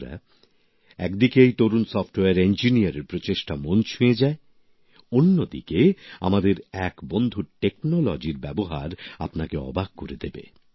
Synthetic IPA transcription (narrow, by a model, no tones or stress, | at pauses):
ɾa̰ | ɛkd̪ikejt̪oɾunsɔfʈoweaɾend͡ʑinijaɾeɾpɾot͡ɕeʃʈamont͡ɕʰujed͡ʑae | onːod̪ḭkea̰mad̪eɾɛkbond̪ʱuʈeknolɔd͡ʑiɾbɛboɦa̰ɾa̰pnakeɔ̰baɡ̚koɾed̪ebḛ